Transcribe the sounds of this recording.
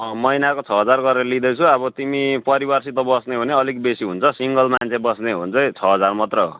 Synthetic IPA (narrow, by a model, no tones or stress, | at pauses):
mʌjnakot͡sʰʌɦʌd͡zarɡʌɾelid̪ʌjt͡sʰuʌbʌt̪imipʌɾibarsit̪ʌbʌsneɦuneʌlik̚besiɦunt͡sʰʌsiŋɡʌlmant͡sʰebʌsneɦṵnt͡sʰʌt͡sʰʌɦʌd͡zarmʌt̪rʌ̰